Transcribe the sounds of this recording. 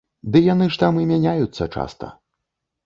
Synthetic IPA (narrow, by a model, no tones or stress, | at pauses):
d̪ɨjanɨʂt̪amɨmʲanʲajut̪sːɐt͡ʂa̰st̪ɐ̰